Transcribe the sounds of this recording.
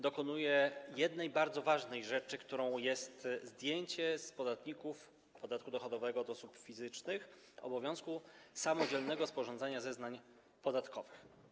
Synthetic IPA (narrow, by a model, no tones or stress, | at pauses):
d̪ɔkɔnujɛjɛd̪nɛjbaɾd̪zɔvaʐnɛjʐɛt͡ʂɘkt̪uɾɔ̃w̃jɛst̪zd̪ʲjeɲt͡ɕɛspɔd̪at̪ɲikuf | pɔd̪at̪̚kud̪ɔxɔd̪ɔvɛɡɔːd̪ɔsupfʲizɘt͡ʂnɘx | ɔ̰bɔvʲjɔ̃w̃skusamɔd͡ʑɛlnɛɡɔspɔʐɔnd̪aɲazɛznaɲ | pɔd̪at̪kʰɔvɘx